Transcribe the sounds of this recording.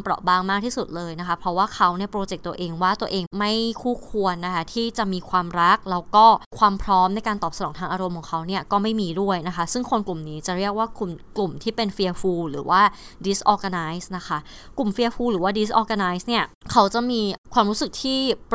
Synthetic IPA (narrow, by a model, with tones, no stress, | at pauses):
mpɾɔ̰˨˩ʔbaː˥˩ŋmaː˥˩k̚t̪ʰiː˥˩su˨˩t̪̚lɤː˧jna˦˥kʰa˦˥pʰɾɔ˦˥waː˥˩kʰa˦˥wni˥˩ɐpɾoː˧t͡ɕe˨˩k̚t̪u˧ɐ˧ʔeː˧ŋwaː˥˩t̪u˧əʔeː˧ŋma˥˩jkʰuː˥˩kʰu˧ənːa˦˥kʰa˦˥t̪ʰiː˥˩t͡ɕa˨˩miː˧kʰwaː˧mɾa˦˥k̚lɛː˦˥wkɔː˥˩kʰwaː˧mpʰɾɔː˦˥mna˧jkaː˧nt̪ɔː˨˩p̚sa˧nɔː˩˦t̪ʰaː˧ŋʔaː˧ɾo˧mkʰɔː˩˦ŋkʰa˦˥wni˥˩ɐkɔː˥˩ma˥˩jmiː˧du˥˩əjna˦˥kʰa˦˥sɯ˥˩ŋkʰo˧nklu˨˩mniː˦˥t͡ɕa˨˩ɾi˥˩ək̚waː˥˩klu˨˩mklu˨˩mt̪ʰiː˥˩pe˧nfi˧ɐfuː˧ɾɯ̰ː˩˦waː˥˩di˦˥sʔɔː˧ka˧naː˧˦˥jsna˦˥kʰa˦˥ | klu˨˩mfi˧ɐfuː˧ɾɯː˨˩˦waː˥˩di˦˥sʔɔː˧ka˧naː˦˥jsni˥˩ɐkʰa˦˥wt͡ɕa˨˩miː˧kʰwaː˧mɾuː˦˥sɯ˨˩k̚t̪ʰiː˥˩p